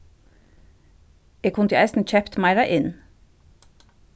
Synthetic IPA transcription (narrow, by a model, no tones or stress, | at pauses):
eːkʰʊnt̪ʰəæɪst̪n̩c͡çʰɛpt̪mɑɪɾɑʔɪn